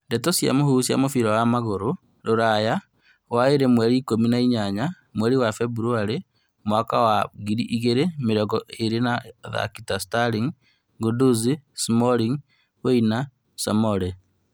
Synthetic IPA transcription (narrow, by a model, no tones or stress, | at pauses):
ndetosja̰mohusja̰mofiɾowamaɣoɾo | ɾoɾaja | waiɾemweɾiːkominaiɲaɲa | mweɾiwafebuɾuaɾe | mwaːkawaɣiɾiʔiɣeɾemiɾɔɡɔʔeɾenaða̰kitastaɾiŋ | ɡuduzismoliŋ | weina | so̰moɾe